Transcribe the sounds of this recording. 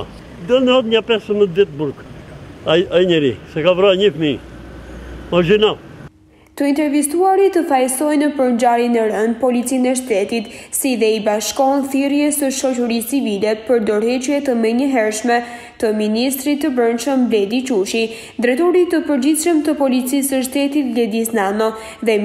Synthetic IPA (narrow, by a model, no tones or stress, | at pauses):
d̪ənat̪ɲapɛsəməd̪ɛt̪̚buɾkaaiɲɛɾisɛkavɾaɲəfmi | maʒinal | t̪əint̪ɛɾvist̪uaɾit̪əfajsɔjnəpəɾnd͡ʑaɾinɛɾənpɔlitt͡sinɛʃ̬t̪ɛt̪it̪siðɛibaʃkɔnθiɾjɛsəʃɔt͡ʃəɾist͡sivilɛpəɾd̪ɔɾhɛt͡ʃujɛt̪əmɛɲəɦɛɾʃmɛ | t̪əminist̪ɾit̪ːəbɾənʃəmblɛd̪it͡ʃuʃi | d̪ɾɛt̪ɔɾit̪əpəɾd͡ʑiθʃəmt̪əpɔlit͡sisəʃt̪ɛt̪it̪̚lɛd̪isnanɔ | ðɛ